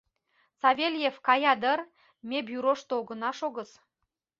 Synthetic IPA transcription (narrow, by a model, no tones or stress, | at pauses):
t͡sɑvʲelʲjefkɑjɑd̪ə̆r | mʲebjyɾoʃt̪ooɡə̆nɑʃoɣə̆s